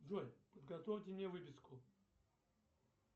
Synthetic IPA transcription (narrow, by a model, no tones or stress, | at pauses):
ʐojʲpəd̪ɡɐt̪ofʲtʲɪmnʲevɨpʲɪskʊ